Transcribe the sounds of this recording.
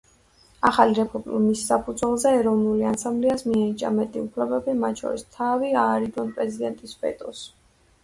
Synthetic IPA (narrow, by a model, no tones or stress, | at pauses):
aχaliɾɛpʰɔm̰misːapʰud̪zwɛlˠzɛːɾɔvnuliansambliasmianit͡ʃʼa̰mɛt̪ʼiupʰlɛbɛbimat̪̚ʰʼt͡ʃʰɔ̰ɾḭst̪ʰaviaːɾid̪ɔnpʼɾɛzid̪ɛnt̪ʼisbɛ̰t̪ʼɔs